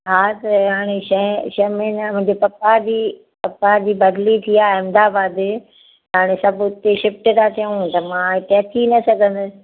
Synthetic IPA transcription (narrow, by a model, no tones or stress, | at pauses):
ɦat̪ɐɦaːɽ̃eʃɐ̃ʃɐmenmʊ̃ɦɪ̃ɲd͡ʑepɐpadiː | pɐpad͡ʑiːbɐd̪lit̪ʰiaːɐ̃md̪aːbaːd̪ | ɐɦaːɽ̃esɐbʊʊt̪eʃɪfʈt̪at̪ʰiəũt̪ɐmãɪt̪eɐt̪ʰinɐsɐɡʱə̃nd̪ʊsɪ̆